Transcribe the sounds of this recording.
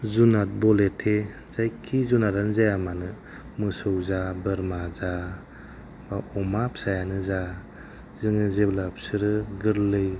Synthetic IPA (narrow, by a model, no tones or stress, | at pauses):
zunat̚bɔletʰe | zajkʰːizunaɾanzajamanɯ | mɯsɯwzabɯɾmaza | baɔmapsajanɯza | zɯŋɯzeblap̚sɯɾɯɡɯɾlɯj